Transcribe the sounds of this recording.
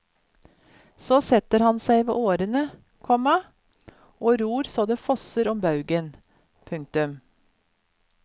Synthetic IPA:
soːsɛt̪əɾhɑnsæɪʋḛːʔoːɾənə | kʰɔmɑ | ʔoːɾuːɾsoːd̪eːfɔsəɾɔmbɑʉɡən | pʰʉŋk̚t̪ʉm

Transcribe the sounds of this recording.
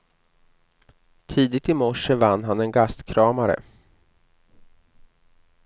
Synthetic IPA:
t̪ʰiːd̪ɪt̪ɪmɔʂəvanːɦanɛnɡast̪kʰɾɑːmaɾə̰

